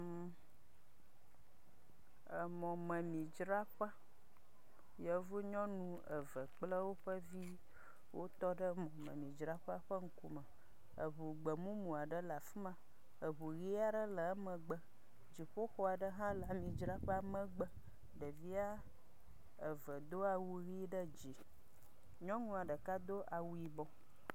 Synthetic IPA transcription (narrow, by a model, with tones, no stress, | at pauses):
ə˨mɔ̃˨mə̃˨mĩ˨d͡ʒɾa˦ɸə˦ | jɛ˦vo˦ɲɔ̃˦nũ˦ | ə˨və˨k͡plə˦wo˦ɸə˦vi˦ | wʔo˦t̪ɔ˦ɖə˦mɔ̃˨mə̰̃˨mĩ˨d͡ʒɾa˦ɸa˦ɸə˦ŋ̩˦ku˦mə˨ | ə̰˨βu˨ɡ͡bə˨mũ˦mũ˨a˨ɖə˦la˨fi˦mã˨ | ə˨βu˨ɣi˦a˨ɖə˦lə˨˦mə̃˨ɡ͡bə˦ | d͡ʒi˨ɸo˦xɔ˦a˨ɖə˦ɦã˦la˨mĩ˨d͡ʒɾa˦ɸə˦a˦mə̃˦ɡ͡bə˦ | ɖə˨vi˦a˦ | ə˨və˨d̪o˦a˨wu˦ɣi˦ɖə˦d͡ʒi˨ | ɲɔ̃˦ŋũ˦a˨ɖə˨ka˦d̪o˦ʔa˨wu˦ji˨bɔ̃˦